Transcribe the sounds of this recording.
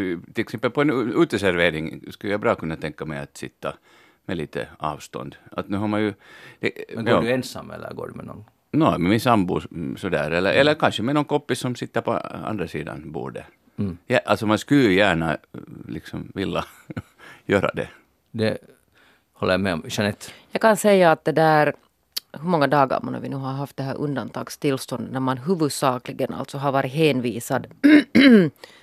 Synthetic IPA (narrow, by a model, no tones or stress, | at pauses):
t̪ɪlɛksɛmpːəlpɔɛnʉːt̪əsæɾʋeːɾɪŋskʉlːjɑbɾɑːkʉnːɑt̪ʰɛŋkːɑmɛɪɑt̪sɪt̪ːɑ | mɛliːt̪ʰə̰ɑːʋst̪ɔ̰nd̪at̪nʉːhaɾmɑnjʉd̪̥ɛdɛnsɑ̰mːɛ̰lːə̰ɾɡo̰ːɖʉmɛ̰nɔ̰n | noːmɛmɪnsɑmbṵːsɔd̪æ̰ːɾɛlːə̰ɾʔɛlːəɾkɑnɕəmɛnɔnkɔpːɪssɔmsɪt̪ːəɾpɔ̰ɑ̰nd̪ɾɑsiːd̪ɑ̰nbṵːɖə | jʔalt̪sɔmanskʉlːjæːɳalɪksɔmvɪlːa | jøːɾa̰d̪ɛ̰ | d̪ɛ | hɔlːəjamɛɔmʃanɛt̪ːjɑːɡkʰansɛjːaːt̪̚d̪ɛd̪æːɾ | hɵmɔŋːad̪ɑːɡa̰ɾmɔ̰na̰vɪ̰nʉːɦaɾɦɑft̪̚d̪ɛɦæːɾʔɵnd̪ant̪ʰɑːɡst̪ɪlːst̪ɔnd̪ənæɾmanɦʉːvɵd̪sɑːklɪɡənʔa̰lt̪sɔɦaɾʋɑːɾɪtɦeːnviːsad̪